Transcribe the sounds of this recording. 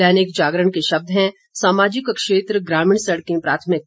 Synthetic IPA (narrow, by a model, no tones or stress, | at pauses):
ɛːnɪkd͡ʒaːɡɾəɳkeʃɐb̚d̪ʱɦɛ̃ | saːmaːd͡ʒɪkkʃeːt̪ɾəɡɾaːmiːɳsɐɽkẽpɾaːt̪ʰmɪk̚